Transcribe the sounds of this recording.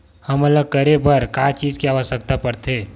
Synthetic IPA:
həmələɡ̚kəɾebəɾkat͡ʃiːd͡ʒkiaːʋəʃək̚t̪apəɾt̪ʰeː

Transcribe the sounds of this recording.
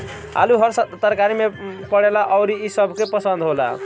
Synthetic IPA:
a̰luɦʌɾsʌt̪əɾkaɾimepʌɽelaʔʌwɾiisʌbʱkepʌsənd̪ʱɦola̰

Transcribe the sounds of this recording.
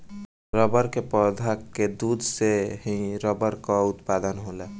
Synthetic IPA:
ɾəbəɾkepɔd̪ʱakːed̪ud̪ʱseɦĩɾəbəɾkɔut̪pad̪ənɦolɛ

